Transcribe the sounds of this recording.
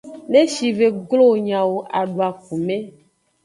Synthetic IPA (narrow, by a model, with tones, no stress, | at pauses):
ne˦ʃi˨ve˨ɡlo˦˨ɲã˨wo˨ʔa˨ɖo˨a˨ku˨mẽ˦